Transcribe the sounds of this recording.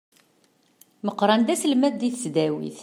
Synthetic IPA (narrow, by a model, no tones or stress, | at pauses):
məqːɾˤɑnd̪æsəlmæðd̪iθəsd̪æwḭθ